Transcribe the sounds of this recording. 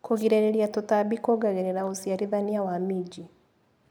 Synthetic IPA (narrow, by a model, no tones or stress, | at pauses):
koɣiɾeɾeɾiatotabikoɡaɣeɾeɾaosiaɾiðaniawamid͡ʒi